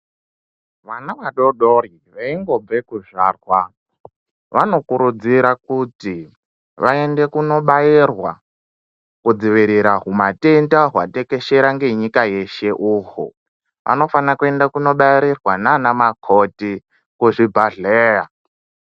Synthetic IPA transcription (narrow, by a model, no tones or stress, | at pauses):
ʋanaʋaɗoɗori | ʋeiŋɡo̞b͡vekuʐaːrwa | ʋano̞kuɾud͡ziɾakuti | ʋae̞nde̞kuno̞ɓairwa | kud͡ziʋiɾiɾaɦumate̞ntaɦwa̰te̞ke̞ʃe̞ɾaŋɡe̞ɲikaje̞ʃe̞ʔuɦṵ | ʋʔa̰no̞fanakue̞ndakuno̞ɓajiɾirwananamakʰoti | kuʐibʱaɮeːja